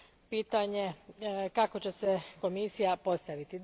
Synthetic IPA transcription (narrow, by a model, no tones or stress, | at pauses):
piːt̪aɲe̞kako̞t͡ɕe̞seko̞misijapo̞st̪aʋit̪id̪